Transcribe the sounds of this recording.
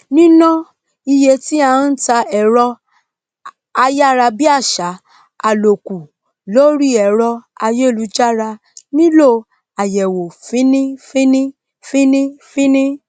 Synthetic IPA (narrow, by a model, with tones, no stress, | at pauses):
nĩ˦nɔ̃˦ | i˧je˧ti˦ã˨˧˦n̩˦ta˧ɛ˨ɾɔ˧ | a˧ja˦˨ɾa˧bi˦a˦˨ʃa˨˦ | a˨lo˨ku˨ | lo˦ɾi˦˨ɛ˨ɾɔ˧a˧je˦˨lu˨˦d͡ʒa˦ɾa˧ | nĩ˦lo˦˨ | a˨jɛ˨wo˨fĩ˨˦nĩ˦fĩ˦nĩ˦ | fĩ˦nĩ˦fĩ˦nĩ˦